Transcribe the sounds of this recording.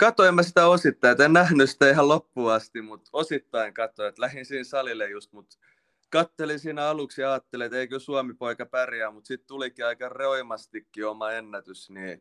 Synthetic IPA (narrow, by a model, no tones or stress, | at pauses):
kɑt̪oimːæsit̪æosit̪ːɑiet̪ennæhnysi̥t̪æihɑllopːuːɑst̪immut̪osit̪ːɑiŋkɑt̪oet̪læhinsiːnsɑlilejjust̪mut̪ | kɑt̪ːelinsiːnæɑluksjɑɑːt̪ːeliet̪eikøsuɑmipoikɑpærjæːmut̪sit̪t̪ulikiɑikɑroimɑst̪ikːiomɑenːæt̪ysniː